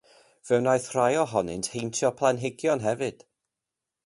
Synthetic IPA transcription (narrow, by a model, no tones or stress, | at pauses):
v̥ɛwnajθr̥ajɔɦɔnɪ̰ntʰhejntʰjɔpʰlˠanɦɪɡjɔnɦɛvɨd̥